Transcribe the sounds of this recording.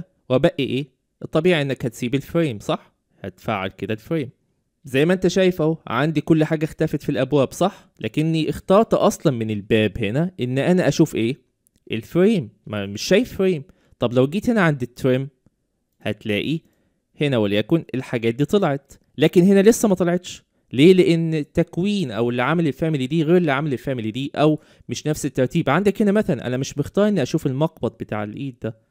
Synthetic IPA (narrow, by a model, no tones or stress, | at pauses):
wæbæʔʔiʔeː | ʔet̪ˤːɑbiːʕiʔenːækhæt̪siːbelfɾiːmsˤɑħ | hæ̰t̪faːʕa̰lked̪ælfɾiːm | zæjːmæʔent̪æʃæːjefæwʕand̪ikolːħaːɡæxt̪æːfet̪filʔæbwæːbsˤɑħ | læːkenːiʔext̪ɑːɾˤt̪ʔɑsˤlɑnmenelbæːbhenæʔenːʔænæʔæʃuːfʔeː | ʔelfɾiːmmeʃːæːjefɾeːm | t̪ˤɑblæwɡiːt̪henæʕand̪it̪ːɾem | hæ̰t̪læːʔi | henæwæljækonelħaɡæːt̪̚d̪iːt̪ˤɑlɑʕet̪ | læːkenɦenælesːæmæt̪ˤɑlɑʕet̪ʃ | leːleʔenːt̪ːækwiːnʔæwelʕamælelfæːmelid̪iːɣeːɾelʕamælelfæːmelid̪iːʔæw | meʃnæfset̪ːɑɾˤt̪iːbʕand̪ækhenæmæθælænʔæ̰næmeʃbext̪ɑːɾˤʔenːiʔæʃuːfelmɑqbɑt̪̚ˤbet̪a̰ːʕḛlʔiːd̪̚ːæ